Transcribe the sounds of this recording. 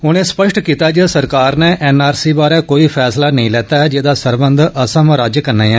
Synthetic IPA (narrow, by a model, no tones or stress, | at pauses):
ʊñẽːspəʃʈkiːt̪aːd͡ʒesəɾkaːɾneːʔɛːnaːɾsiːbaːɾɛːkoːiːpʰɛːslaːnəĩːlɛːt̪aːɛd͡ʒeːd̪aːsəɾbənd̪əsəmɾaːd͡ʒkəɾneːɛː